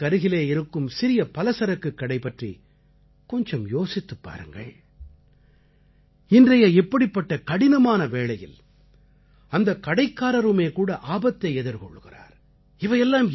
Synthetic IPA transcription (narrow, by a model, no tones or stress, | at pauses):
ɐɾɯɣɪleːɪɾɯkːɯmsɪɾɪjɐpɐlɐsɐɾɐkːɯkːɐɽɐɪpːɐʈrḭ | kɔɲd͡ʒɐmjoːsɪt̪ːɯpːa̰ːɾɯŋɡɐ̰ | ɪndrɐjɐɛpːɐɽɪpːɐʈːɐkɐɽɪnɐmaːnɐʋeːɭɐjɪ̰l | ɐnd̪ɐkːɐɽɐɪkːaːɾɐɾɯmeːkuːɽɐʔaːbɐt̪ːɐɪɛðɯɾkɔ̰ɭːɯɣɪra̰ːɾ | ɪʋɐjɛlːaːm